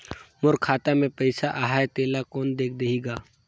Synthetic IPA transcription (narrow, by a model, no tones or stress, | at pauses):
mʊɾkʰaːt̪amẽpɐɪsaʔaːɦaːet̪eːlakɔːnd̪eːkʰd̪eɦiɡaː